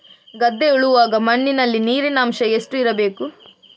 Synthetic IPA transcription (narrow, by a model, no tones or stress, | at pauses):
ɡɐd̪ːeuɭuʋaːɡɐmɐɳːinɐlːiniːɾinɐːmʃɐe̞sʈuiɾɐbe̞ːku